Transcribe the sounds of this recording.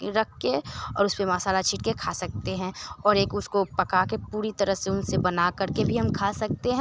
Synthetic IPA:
ɾɐkʰːeɔ̰ːɾʊspemaːsaːlat͡ʃʰiːʈkekʰaːsɐk̚t̪eɦɛ̃ɔːɾeːkʊskopɐkakepuːɾit̪ɐɾəɦseʊnsebɐnakɐɾkebʱiɦɐmkʰaːsɐk̚t̪eɦɛ̃

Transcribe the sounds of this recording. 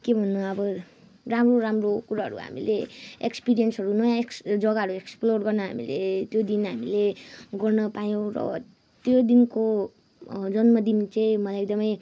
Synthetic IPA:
kebʱʌnːʌʌbʌ | ramroɾamrokuɾaɦʌ̰ɾṵɦa̰mḭlḛekspiɾijensʌɾunʌjãeksd͡zʌɡaɦʌɾueksplorɡʌrnʌɦa̰mḭlḛt̪jod̪inɦamileɡʌrnʌpajõw̃ɾʌ̰ | t̪jod̪inko | d͡zʌnmʌd̪int͡saĩmʌlajek̚d̪ʌmʌj

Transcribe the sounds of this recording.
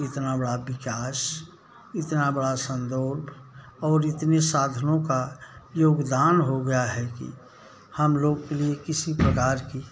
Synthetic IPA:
ɪt̪nabəɽabɪkaːs | ɪt̪nabəɽasə̃nd̪oɾbʱ | ɔːɾɪt̪nesaːd̪ʱənõkajoːɡd̪aːnɦoɡɐjaɦɛkḭ | həmloːɡkeliekɪsipɾəkaːɾki

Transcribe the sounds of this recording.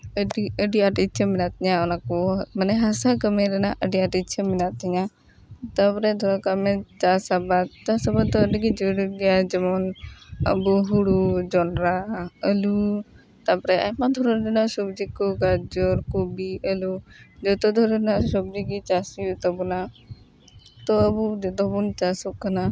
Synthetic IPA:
əɖiəɖiaʈitt͡ʃʰəminat̪iɲaɔnakɔmanɛɦasakəmɛɾɛnaʔəɖiaʈit̪t͡ʃʰəminat̪iɲa | t̪apɔɾɛd̪ʱɔɾɔkamɛt͡ʃasabat̪̚t͡ʃasabat̪̚d̪ɔəɖiɡid͡ʒəɾɡɛjad͡ʒɛmɔnə̰buɦuɽud͡ʒɔnɾaəlu | t̪apɔɾɛʔajmad̪ʱɔɾɔdɛnasɔbd͡ʒikɔɡad͡ʒɔɾkubiʔəlud͡ʒɔt̪ɔd̪ʱɔɾnasɔb̚d͡ʒiɡit͡ʃasijut̪ɔbɔna | t̪ɔəbud͡ʒɔt̪ɔbunt͡ʃasɔkːana

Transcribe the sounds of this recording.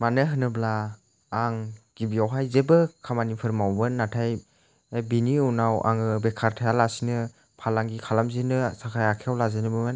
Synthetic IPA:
manɯɦɯnɯblaː | ŋɡ̥ibiawɦajzebɯkʰamanipʰɯɾmawbɯnːatʰaj | biniunawʔa̰ŋɯbekʰaɾtʰajalasinɯ | pʰalaŋɡikʰalamzinɯsakʰajakʰeawlazɯnɯbɯman

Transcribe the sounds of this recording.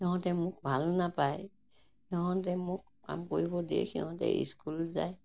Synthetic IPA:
ɛɦɔ̃tɛmʊk̚bʱalnapaj | ɔɦɔ̃tɛmʊkːa̰mkoɹibɔdiɛ̰kʰiɦɔ̃tɛ̰ḭskulza̰j

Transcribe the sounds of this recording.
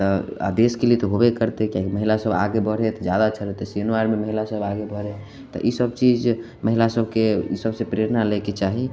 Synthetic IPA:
t̪ɔa̰d̪eskelit̪ɔɦobekəɾt̪ekjãkiməɦilasəba̰ɡebəɽ̤et̪ɔd͡ʒjad̪at͡ʃʰəɾet̪esənuaɾmeməɦilasəbaɡebʱəɾe | t̪ɔ̰ʔisəbt͡ʃid͡ʒ | məɦilasəbkeḭsəbsepɾeɾnaleket͡ʃaɦi

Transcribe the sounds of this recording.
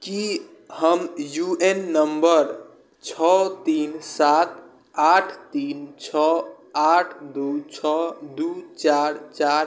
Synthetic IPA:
ki | həmjuenːəmbəɾ | t͡ʃʰɔt̪insat̪ʰ | aʈʰt̪int͡ʃʰɔ | aʈʰd̪ut͡ʃʰɔd̪ut͡ʃaɾt͡ʃaɾ

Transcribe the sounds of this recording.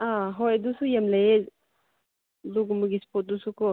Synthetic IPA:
aɦɔjdusujamleje | luɡmɯɡispʰɔt̚dusukɔ

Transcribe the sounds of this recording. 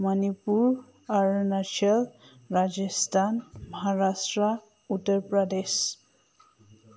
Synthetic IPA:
manipuɹ | aɹnasɔl | ɹad͡ʒɔstʰanmɔɦaɹastɹa | utːəɹpɹɔdes

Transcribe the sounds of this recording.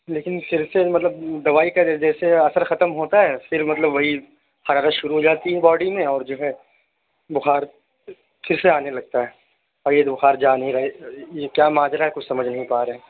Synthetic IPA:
leːkɪnfɪɾsemɐt̪ləbd̪ɐʋaːikad͡ʒɛːseɐsəɾxɐt̪əmɦoːt̪aɦɛːfɪɾmɐt̪ləbʋɐɦi | xɐɾaːɾət̪ʃʊɾuɦoːd͡ʒaːt̪iɦɛbɔːɖimẽɔːɾd͡ʒoːɦɛ | bʊxaːɾ | fɪɾseaːnelɐɡ̚t̪aɦɛː | ɔːɾjebʊxaːɾd͡ʒaːnɦĩɾɐɦejekjaːmaːd͡ʒɾaɦɛkʊt͡ʃʰsɐməd͡ʒʱnɐɦĩpaːɾɐɦɛː

